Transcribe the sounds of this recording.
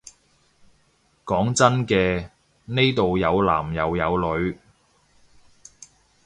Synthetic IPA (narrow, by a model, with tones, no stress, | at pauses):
kɔː˨˥ŋt͡sɐ˥nkɛː˧ | ne˥jt̪o˨wjɐ˨˧wla̰ː˨˩mjɐ˨˧wjɐ˨˧wlɵ˨˧ɥ